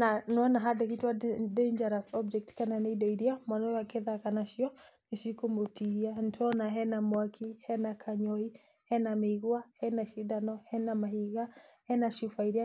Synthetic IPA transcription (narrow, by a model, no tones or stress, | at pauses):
nanɔnaɦadakitwadend͡ʒaɾasɔbd͡ʒɛk̚tkananiidɔidiamwanɔɛwakɛðakanaʃiɔniʃikumutihian̩tʰɔnaɦɛnamwakʰihɛnakʰaɲɔi | hɛnamiɣuahɛnaʃidanɔhɛnamahiɣahɛnaʃifaiɾia